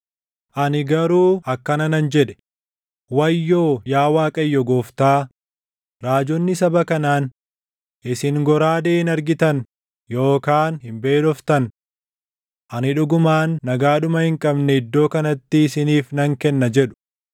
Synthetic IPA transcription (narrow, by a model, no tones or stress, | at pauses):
ʔɐnɪɡɐɾuːɐkːɐnɐnɐnd͡ʒɛᶑɛ̥ | wɐjːo̞ːjaːwaːkʼɐjːɔɡoːft̪aː | ɾaːd͡ʒɔnːɪsɐbɐkɐnaːn | ʔɪsɪŋɡɔɾaːd̪eːɪnɐɾɡɪt̪ɐn | jo̞ːkaːnhɪmbe̞ːᶑɔft̪ɐn | ʔɐnɪᶑʊɡʊmaːnːɐɡaːᶑʊmɐhɪŋkʼɐbnɛɪd̪ːo̞ːkɐnɐt̪ːɪːsɪniːfnɐŋkɛnːɐd͡ʒɛᶑʊ̥